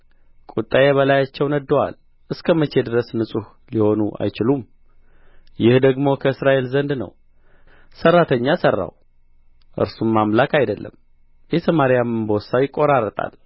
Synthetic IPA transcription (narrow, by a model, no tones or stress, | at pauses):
kʼut̪ʼːajeβəlajat͡ʃːɛwnəd̪ːəwa̰l | ʔɨskʰəmət͡ʃːe̞d̪ɨɾəsnɨsʼuh | liho̞nuʔa̰jt͡ʃɪlum | jɪhd̪əɡmo̞kʰəɨsɾaʔe̞lzənd̪nə̰w | sərːat̪ʰəɲːasərːa̰w | ʔɨ̰ɾsumːamlakʰʼajd̪əlːə̰m | jɛt̪ʰəmaɾijamɨnbosajɪkʼːo̞ɾarːət̪ʼa̰l